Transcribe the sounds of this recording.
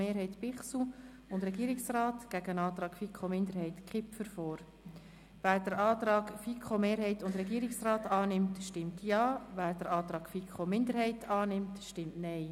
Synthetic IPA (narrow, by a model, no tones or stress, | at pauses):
eːɾɦɛɪtpɪχsu | ʊndɾɛɡiəɾɪksrɑːtɡ̥æɡəənɑːt̪ɾɑːɡ̥fikʰomɪndəɾɦɛɪtkχɪpfəɾfɔːɾ | ʋæːɾd̥əɾɑːt̪ɾɑːɡfikχomeːɾɦɛɪtʊndɾɛɡiəɾɪksrɑːtɑːnɪmtʃtɪmtjɑːvæːɾd̥əɾʔɑːt̪ɾɑːɡ̥fikχomɪndəɾhɛɪtʰɑːnɪmtʃtɪmtnɛɪ